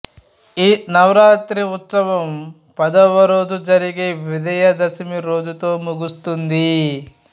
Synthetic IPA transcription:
iːnɐʋɾaːt̪ɾiut̪sɐʋɐm | pɐd̪ɐʋɐɾo̞ːd͡ʒud͡ʒɐɾiɡeːʋid̪ɐjɐd̪ɐsimiɾo̞ːd͡ʒut̪o̞ːmuɡust̪und̪i

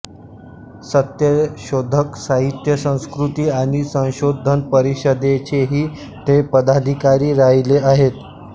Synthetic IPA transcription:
sət̪jəɕod̪ʱəksaɦit̪jəsə̃w̃skɾut̪iːaɽ̃isə̃w̃ɕod̪ʱənpəɾiɕəd̪et͡ɕeɦiː | t̪epəd̪ad̪ʱikaɾiːɾaileaɦet̪

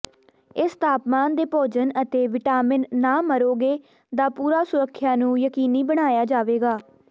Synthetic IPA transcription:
ɪst̪ʰaːpmaːnd̪eːpoːd͡ʒənət̪eːʋɪʈaːmɪnːaːməɾoːɡeː | d̪aːpuːɾaːsʊɾəkʰːjaːnũːjəkiːniːbəɽ̃aːjaːd͡ʒaːʋeːɡaː

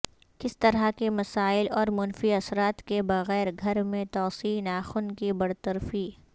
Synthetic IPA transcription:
kɪst̪ɐɾakemɐsaːɪlɔːɾmʊnfiɐsɾaːt̪kebɐɣɛːɾɡʱɐɾmẽt̪ɔːsiːnaːxʊnkibɐɽt̪ɐɾfiː

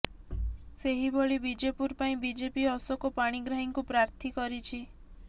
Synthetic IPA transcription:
seɦiboɭibid͡ʒepuɾpaĩbid͡ʒepiɔsɔkɔpaɽ̃iɡɾaɦiŋkupɾaɾt̪ʰikɔɾit͡ʃʰi

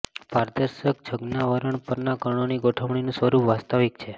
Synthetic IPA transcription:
paɾd̪əɾʃək̚d͡ʒʱəɡnaʋəɾəɳpəɾnakəɾɳ̃oniɡoʈʰəʋɳ̃inũsʋəɾupʋast̪aʋikt͡ʃʰe

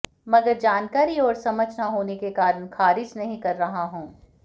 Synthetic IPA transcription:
mɐɡəɾd͡ʒaːnkaːɾiɔːɾsɐməd͡ʒnaɦoːnekekaːɾəɳxaːɾɪd͡ʒnɐɦĩkɐɾːɐɦaɦũː

